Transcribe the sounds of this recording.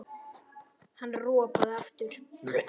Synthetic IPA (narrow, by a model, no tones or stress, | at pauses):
hanːrɔːpaðaft̪ʏɾ̥